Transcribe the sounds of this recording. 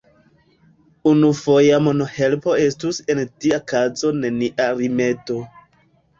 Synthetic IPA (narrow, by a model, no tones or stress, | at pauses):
unufo̞jamonohe̞lpo̞e̞stuse̞ntiakazo̞ne̞niʔaɾime̞to̞